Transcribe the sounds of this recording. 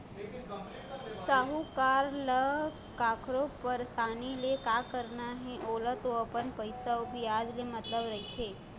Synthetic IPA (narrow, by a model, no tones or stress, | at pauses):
saːɦukaːɾlə | kaːkʰɾopəɾsaːnilekaːkəɾnaɦɛ̃ʔoːlət̪oɐpənpəɪsaobʱiaːd͡ʒlemɐt̪ləbɾɐɦit̪ʰeː